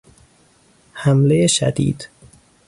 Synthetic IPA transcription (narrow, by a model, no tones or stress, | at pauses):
hæmlejeʃæ̰d̪ḭːd̪̥